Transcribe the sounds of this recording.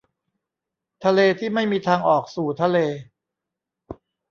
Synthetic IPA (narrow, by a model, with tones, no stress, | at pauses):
t̪ʰa˧leː˧t̪ʰiː˥˩ma˥˩jmiː˧t̪ʰaː˧ŋʔɔː˨˩k̚suː˨˩t̪ʰa˧leː˧